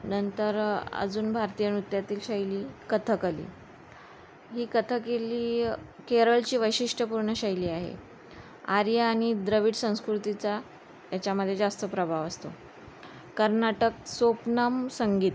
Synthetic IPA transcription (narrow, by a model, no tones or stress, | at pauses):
nənt̪əɾə̰d͡zuːnbʱaɾt̪ijənut̪jat̪iːlɕajliːkət̪ʰəkalḭː | ɦiːkət̪ʰəkeliːkeɾəɭt͡ɕiːʋəjɕiʂʈʰəpuɾɳəɕajliːaɦḛ | aɾjaːɽ̃id̪ɾəʋiːʈsə̃w̃skɾut̪it͡sa | t̪jat͡ɕaməd̪ʱjed͡zast̪əpɾəbʱaʋəst̪o̰ | kəɾnaʈək̚sopnəmsəŋɡiːt̪